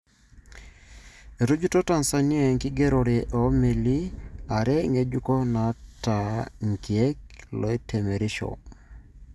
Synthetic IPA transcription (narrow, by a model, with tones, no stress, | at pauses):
e˨ɾu˦d͡ʒu˦to˦ta˨nsa˨ni˦e˨ŋki˦ɡe˦ɾɔ˨ɾe˨ʔɔ˨˦me˨li˦a˨ɾɛ˦ŋe˨d͡ʒu˦kɔ˦na˨ta˨ŋ˨ki˨e˦k̚lɔ˨i˦tʰe˨me˨ɾi˦ʃo̰˨